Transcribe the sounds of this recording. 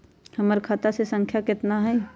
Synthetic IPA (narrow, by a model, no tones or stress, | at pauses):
həməɾkʰat̪asesə̃ŋkʰjakɪt̪naɦɛː